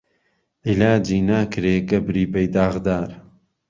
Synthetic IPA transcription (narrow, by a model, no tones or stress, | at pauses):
ʔilaːd͡ʒiːnaːkɾeːɡɐbɾiːbɐjd̪aːɣd̪aːɾ